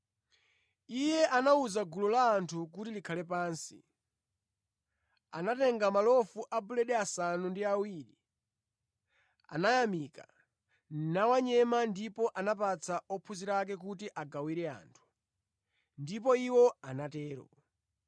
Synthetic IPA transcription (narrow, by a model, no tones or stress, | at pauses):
ijɛʔanauzaɡulɔlaːntʰukutilikʰalɛp̬aːnsḭ | anatɛŋɡamalɔfuʔabulɛɗɛasanundiawiːɾi | a̰najamiːka̰ | nawaɲɛmandipɔʔanap̬at͡sʰaɔpʰuziɾak̬ɛkutiʔaɡawiɾɛa̰ːntʰu̥ | ndipɔiwɔanatɛːɾɔ̰